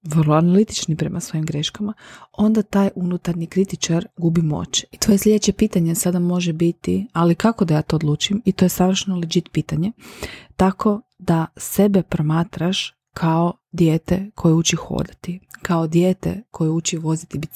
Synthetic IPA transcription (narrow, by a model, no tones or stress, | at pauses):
ʋərlˠoanalit̪it͡ʃnipɾe̞masʋo̞jimɡɾeʃkamao̞nd̪at̪aːjʔunut̪aɾɲikɾit̪it͡ʃaɾɡubimo̞̰ːt͡ʃit̪ʋo̞jeslʲʎʲe̞d̪et͡ɕe̞piːt̪aɲesad̪amo̞ʒebit̪ialikako̞d̪ajaːt̪o̞ːd̪lˠuːt͡ʃumit̪o̞jesaʋɾr̩ʃnolid͡ʒit̪piːt̪aɲe̞t̪akʰo̞ | d̪ase̞bepɾomaːt̪ɾaʃ | kʰao | d̪jeːt̪ekʰo̞jeut͡ʃixo̰ːd̪at̪ikao̞d̪jeːt̪ḛkʰo̞jeut͡ʃiʋo̞zit̪ibit̪